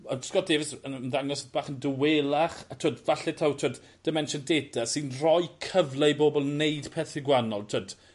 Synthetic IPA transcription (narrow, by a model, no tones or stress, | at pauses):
ɔskɔdeːvɪsənnðaŋɔsb̥aːχəndəweːlˠaχatʰuoːdvaɬɛtʰawtʰoːd | d̥əmɛnʃəndeːdasɨnrɔjkʰəvlˠeboːbɔlˠneɨd̥pʰɛθɪɡwanɔlˠtʰəːd̥